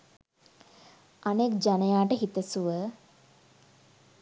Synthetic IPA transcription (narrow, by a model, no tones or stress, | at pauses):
ʔanekd͡ʒanəjaːʈəɦit̪əsuʋə